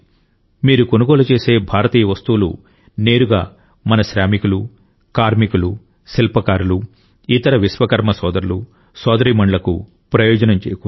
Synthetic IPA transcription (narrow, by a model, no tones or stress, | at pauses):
miːɾuko̞nuɡɔːlɐt͡ʃe̞ːse̞ːbʱaːɾɐt̪iːjɐʋɐst̪uːlṵ | ne̞ːɾuɡa̰ː | mɐnɐʃɾaːmikulu | kaːɾmikulu | silpɐkaːɾulu | it̪ɐɾɐʋisʋɐkɐɾmɐsɔːd̪ɐɾulu | sɔːd̪ɐɾiːmɐɳɖlɐkṵ | pɾɐjɔːd͡ʒɐnɐmt͡ʃeːjɐku